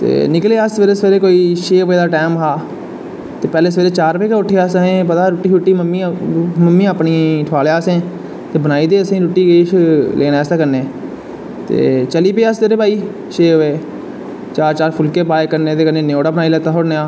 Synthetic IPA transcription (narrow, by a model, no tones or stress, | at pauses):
t̪ḛːnɪkleːəsʋeːɾesʋeːɾeːkoːiːʃeːʋeːd̪aːʈɛːmɦaː | t̪eːpɛːleːsəʋeːɾeːt͡ʃaːɾpeːkaʊʈʰːeːaːsɦẽːpəd̪aːɾʊʈːiːɦʊʈːiːməmːiːməmːĩːəːpniʈʰʋaːleaːsẽː | t̪eːbənaːiːd̪eːəsẽːɾʊʈːiːɡeːʃlʔeːnaːsaːkəɾnẽː | t̪ḛːt͡ʃəliːpeːəst̪eːɾeːbʱaːiː | ʃeːɦʊʋeː | t͡ʃaːɾt͡ʃaːɾpʰʊlkeːpaːekəɾneːt̪eːkənẽːneoːɽaːbənaːilɛːt̪aːɦoːɾneaː